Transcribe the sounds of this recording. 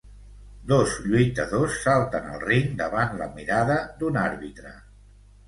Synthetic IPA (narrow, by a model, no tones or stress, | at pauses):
d̪ozʎujt̪əðosːalˠt̪ənə̰lˠriŋd̪əβanlə̰miɾaðəd̪unaɾβit̪ɾə